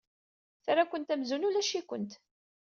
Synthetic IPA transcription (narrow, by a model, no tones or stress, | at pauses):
θɾakʷənt̪æmzunulæʃikʷə̰nt̪